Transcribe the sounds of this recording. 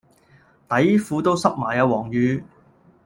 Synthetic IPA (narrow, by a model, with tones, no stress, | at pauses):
t̪ɐ˨˥jfuː˨˧t̪o˥wsɐ˥k̚maː˨˩jɐ˨˧wɔː˨˩ŋjyː˨˧